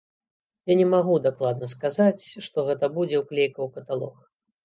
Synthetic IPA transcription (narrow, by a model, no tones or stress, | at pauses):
janʲɛmaɣud̪aklˠad̪̚nɐskazat͡sʲʂt̪ɔɣɛt̪ɐbud͡zʲɛwklʲejkɐwkɐt̪alˠɔ̰x